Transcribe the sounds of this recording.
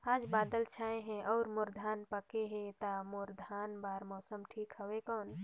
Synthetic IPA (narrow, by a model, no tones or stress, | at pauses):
aːd͡ʒbaːd̪əlt͡ʃʰaːẽɦɛ̃ʔɔːɾmoɾd̪ʱaːnpəkeɦɛ̃t̪amoɾd̪ʱaːnbaːɾmɔːsəmʈʰiːkɦəwekɔːn